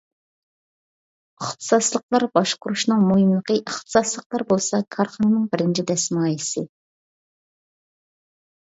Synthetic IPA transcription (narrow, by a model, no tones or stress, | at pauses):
əχt̪ʰɨ̥sɑslˠəqlˠɑɾbɑʃqʊɾuʃnɨŋmuɦiməqʰəʔəχt̪ʰə̥sɑslˠəqlˠɑɾbolˠsɑkʰɑɾχɑnɨnɨŋbɪɾɪnt͡ʃʰid̪ɛsmɑjisɪ